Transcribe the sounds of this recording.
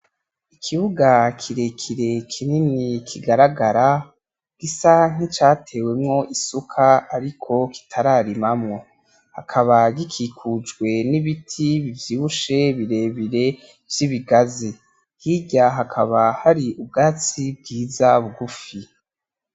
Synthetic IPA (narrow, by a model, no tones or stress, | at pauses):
ikʰiβuɡakʰiɾe̞kʰiɾe̞kʰininikʰiɡaɾaɡaɾa | ɡ̥isaŋ̥it͡ʃaːtʰe̞ːwe̞mŋo̞ʔisukʰaaɾikʰo̞ki̥tʰaɾaːɾimamŋo̞ | hakʰaβaɡikʰiːkʰud͡ʒɡwe̞niβitʰiβivjiːβuʃe̞βiɾe̞ːβiɾe̞ | vjiβiɡazi | hiɟaɦakʰaβahaɾiʔub̚ɡaːt͡sib̚ɡiːzaβuɡufi